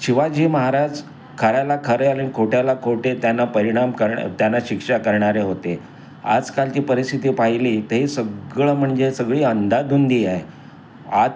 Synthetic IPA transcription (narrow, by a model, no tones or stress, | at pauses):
ɕiʋad͡ʑiːməɦaɾad͡ʑ | kʰəɾjalakʰəɾealenikʰoʈjalakʰoʈet̪janːapəɾiɽ̃amkəɾt̪janːaɕikʂakəɾɳaɾeɦot̪e | a̰d͡zkalt͡ɕiːpəɾist̪ʰit̪iːpaɦiliːt̪əɦiːsəɡɭəm̤əɳd͡zesəɡɭiːənd̪ad̪und̪iːaɦe | a